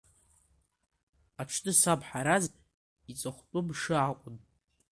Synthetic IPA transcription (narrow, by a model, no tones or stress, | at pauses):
aʈ͡ʂʰtʰʼɨsabħaɾaz | it͡sʼaχʷtʼʊbʂɨaqʷʼʊn